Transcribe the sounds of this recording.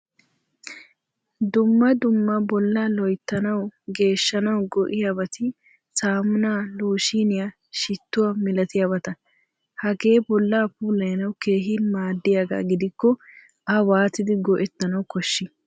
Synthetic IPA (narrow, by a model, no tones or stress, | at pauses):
d̪ʊmːɐd̪ʊmːɐbɔlːaːlɔjt̪ːɐnɐwɡe̞ːʃːɐnɐwɡɔʔɪjabɐt̪ɪ | saːmʊnaːloːʃiːnɪja | ʃɪt̪ːʊwɐmɪlɐt̪ɪjaːbɐt̪ɐ | hɐɡe̞ːbɔlːaːpuːlɐjnɐwke̞ːɦɪmaːd̪ːɪjaɡa̰ːɡɪd̪ɪkːɔ | ʔɐwaːt̪ɪd̪ɪɡɔʔɛt̪ːɐnɐwkɔʃːɪ